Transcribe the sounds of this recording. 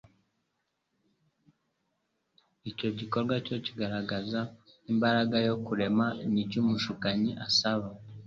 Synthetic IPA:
ico̞ɟiko̞ɾɡwaco̞ciɡaɾaɡaza | imbaɾaɡajo̞kuɾe̞manicumuʃukaɲiʔasaβa

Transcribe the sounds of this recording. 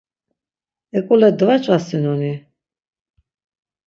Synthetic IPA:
ɛkʼulɛd̪vat͡ʃʼasinɔni

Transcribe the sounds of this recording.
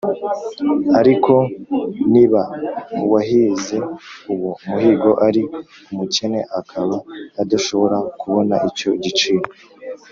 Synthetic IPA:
aɾiko̞niβamuwaɦize̞uwumuɦiːɡo̞ʔaɾi | umuce̞ne̞ʔakʰaβaːd̪aʃo̞βo̞ɾakuβo̞na̰ʔico̞ɟit͡ʃiːɾo

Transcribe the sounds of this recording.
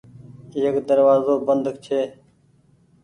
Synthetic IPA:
iːəkd̪əɾʋaːzoːbənd̪ʱkt͡ʃʰeː

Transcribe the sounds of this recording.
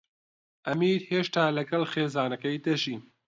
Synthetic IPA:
ʔɐmiːɾheːʃt̪aːlɐɡɐlxeːzaːnɐkɐjd̪ɐʒiː

